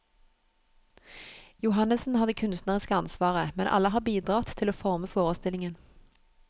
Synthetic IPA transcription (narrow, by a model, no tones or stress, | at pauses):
jʊɦɑnəsn̩hɑd̪əkʰʉnst̪nəʁɪskəɑnsʋɑːʁəmɛnʔɑ̰ləɦɑːbiːd̪ʁɑt̪ʰɪloːfɔʁməfoːʁəst̪ɪlɪŋən